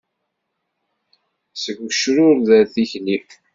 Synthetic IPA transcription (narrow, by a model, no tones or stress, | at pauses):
səɡʷəʃɾʊɾðəɾθiçni